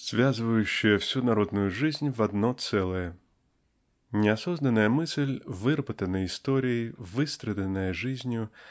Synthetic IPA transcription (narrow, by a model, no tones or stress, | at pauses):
z̥ʲʋʲazʋɐjʊʃːɪɛwsʲunɐɾɔd̪nʊjʊʒɪzʲnʲʋɐd̪nɔt̪sɛlˠɛjɛ | nʲɛɐsɔznɐnɐjɐmɪsɪlʲʋɪrbɐt̪ɐnɐist̪ɔɾʲijiʋɪst̪ɾed̪ɐnɐjɛʒɪzʲnʲʊ